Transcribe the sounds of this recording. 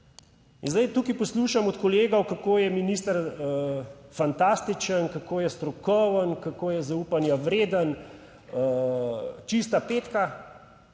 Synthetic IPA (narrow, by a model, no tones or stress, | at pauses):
ḭnzd̪ajt̪uːkipɔsluːʃamɔt̪kɔleːɡɔwkakoːjɛminist̪aɾəfant̪ast̪it͡ʃənkakoːjɛst̪ɾɔkɔwənkakoːjɛzauːpanjaʋɾeːd̪ən | ə | t͡ʃist̪apeːt̪ka